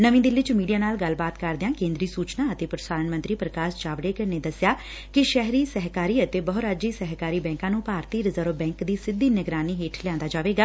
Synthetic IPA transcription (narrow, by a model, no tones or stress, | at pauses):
nəʋĩːd̪ɪlːɪt͡ʃmiːɖijaːnaːlɡəlbaːt̪kəɾd̪eãːkẽːnd̪ɾiːsuːt͡ʃnaːət̪eːpɾəsaːɾənmənt̪ɾiːpɾəkaːst͡ʃaːʋɽeːkəɾneːd̪əsɪjaː | kɪʃɛɦɾiːsɛɦkaːɾiːət̪eːbəɦʊɾaːd͡ʒiːsɛɦkaːɾiːbɛ̃ːŋkãːnũːpaːɾt̪iːɾɪzəɾʋbɛ̃ːŋkd̪iːsɪd̪ːiːnəɡɾaːniːɦeːʈʰlɪjãːnd̪aːd͡ʒaːʋeːɡaː